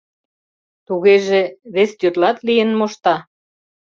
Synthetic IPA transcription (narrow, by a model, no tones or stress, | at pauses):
t̪uɣeʒeβest̪yrlɑt̪lijənmoʃt̪ɑ